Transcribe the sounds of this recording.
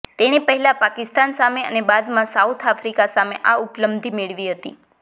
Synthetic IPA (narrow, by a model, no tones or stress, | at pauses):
t̪eɽ̃ipəɦɛlapakɪst̪ansameə̰nebad̪mãsaut̪ʰafɾikasameʔaupləbd̪ʱimeɭʋiɦət̪ḭ